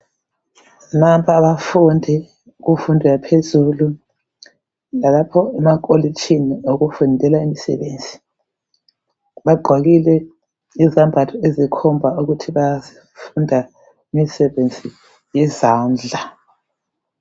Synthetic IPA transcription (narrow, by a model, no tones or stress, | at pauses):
nampʰɔaβafundʱi | ɣufundʱujapʰezulu | lalapʰɔɛmak̬ʼolit͡ʃʰʼinioɣufundʱɛlaimisɛ̰βeːnd͡zʱi̥ | βaɡ͡ǃʱwaɣilɛ | izambʱatʰɔezikʰɔmbʱauɣutʰiβazi | fundʱa | imisɛβend͡zʱi | jizaːnd͡ɮʱa